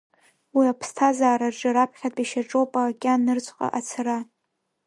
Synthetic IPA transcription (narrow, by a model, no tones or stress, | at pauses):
wiapʰstʰazaːɾarʈ͡ʂʼɨɾapʰχʲatʼiʃaʈ͡ʂʼopʼakʲʼanːɨrt͡sʷʼqʼa̰ʔat͡sʰara